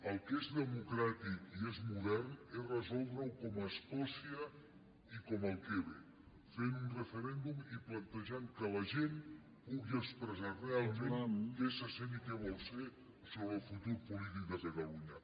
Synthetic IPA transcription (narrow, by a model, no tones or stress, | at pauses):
əlˠkezðəmukɾat̪ikiezmuðɛɾnerəzɔlˠd̪ɾəwkɔməskɔsiə | ikɔməlˠkeβḛ | fenunrəfəɾɛnd̪umiplənt̪əʒaŋkələʒen | puɣiəkspɾəzarealˠmẽnkɛsəsenikɛβɔlˠse | soβɾəlˠfut̪uɾpulit̪ik̚d̪əkət̪ɐluɲə